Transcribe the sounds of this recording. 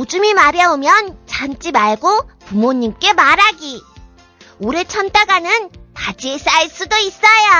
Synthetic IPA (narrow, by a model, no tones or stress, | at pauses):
od͡ʑumimaɾjʌomjʌnt͡ɕant͡ɕ͈imaɭɡopumoɲːimk͈e̞maɾaɡi | oɾe̞t͡ɕʰʌnt͈ʰaɡanɯntad͡ʑies͈aiɭs͈udois͈aja